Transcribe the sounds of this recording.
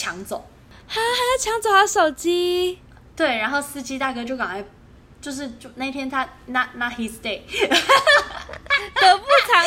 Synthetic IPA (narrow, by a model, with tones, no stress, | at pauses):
t͡ɕʰjɑ˧˥ŋt͡so˨˦ | a˥˩xa˧˥ɪna˧˥t͡ɕʰjɑ˧˥ŋt͡so˨˩xɑ˧˥ʊʂo˨˩ʊt͡ɕi˥ | t̪we˥˩ɪɻa˧˥nxo˥˩ʊsɹ̩˥t͡ɕi˥t̪a˥˩kɤ˥t͡ɕjo˥˩ʊkɑ̰˨˩ŋa˧˥ɪ | t͡ɕjo˥˧ʊʂ̬ɻ̩˥˧t͡ɕjo˥˧ʊna˥˩i˥t̪ʰjɛ˥nt̪ʰa˥na˥˧˩na˥˩xi˧˥st̪e˥˩ɪ | tt̪ə˧˥pu˥˩tʰɑ˧˥